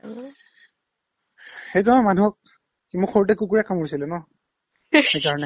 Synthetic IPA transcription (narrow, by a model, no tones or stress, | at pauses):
xejt̬ɔmanuɦɔk̚ | imʊkxʰoɹut̬ɛkuk̬uɹɛkamuɹisilɛnɔ | xejkaɹɔnɛ